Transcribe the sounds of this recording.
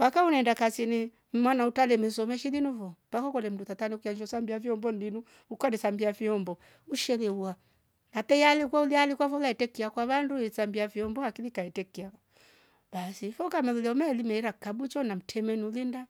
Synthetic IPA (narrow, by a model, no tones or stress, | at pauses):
bakaunɛndakasini | m̩mwanautalɛmɛsɔmɛʃilinuvɔb̥akɔkɔlɛm̩dutataniukiad͡ʒɔsambiaviɔmbɔnilinu | ukanisambiafiɔmbɔ | uʃɛlɛua | napɛjalikwaulialikwafɔlaɛtɛkiakwaβanduisambiafiɔmbɔakilikaɛtɛkia | b̥asifɔkamɛlulɛɔmɛlimɛiɾakabut͡ʃɔnam̩tʰɛmɛniulinda